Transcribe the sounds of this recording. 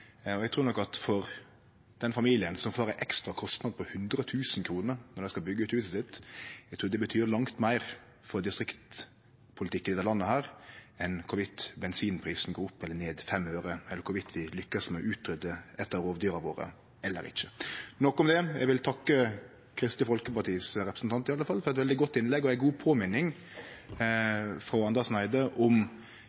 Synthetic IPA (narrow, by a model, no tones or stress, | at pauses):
ɔɛɡ̚t̪ʰɾuːɾnɔkːɑt̪fɔɾ | d̪̥ɛnfɑmiːlɪənsɔmfɑːɾəʔɛkst̪ɾɑkʰɔst̪nɑd̪̚pʰɔhʉnd̪ɾət̪ʰʉːsnkʰɾuːnəɾnɔɾæɪskɑbʏɡːəʉːt̪hʉːsəsɪt̪ːɛɡt̪ʰɾuːɾd̪ɛbət̪ʰyːɾlɑŋt̪mæɪɾ | fɔɾd̪ɪst̪ɾɪkt̪ | pʰʊlɪt̪ɪkːənɪd̪æɾlɑnːəhæːɾɛnkʰʊʋɪt̪bɛnsiːnpʰɾiːsn̩ɡoːɾʊpːɛlːəneːd̪fɛmøːɾəɛlːəɾkʰʊʋɪt̪ʰʋɪlʏkːəsmɛɔ̰ʉːt̪ʰɾʏd̪əɛt̪ːəɾɾoːʋd̪yːɾɑʋoːɾə̰ | ɛlːə̰ɾɪ̰çːə̥nɔkːɔmd̪ɛjæ̰ɛɪɡʋɪlt̪ʰɑkːə | kʰɾɪst̪ɪfɔlkəpɑʈ̪ʰiːsɾɛpɾəsn̩t̪ɑnt̪ɪɑlːəfɑlːfɔɾɛt̪ʋɛld̪ɪɡɔt̪ːɪnlɛɡːɔæɪɡuːpʰoːmɪnːɪŋ | fɾɑːɑnd̪əsnæɪd̪əʔɔm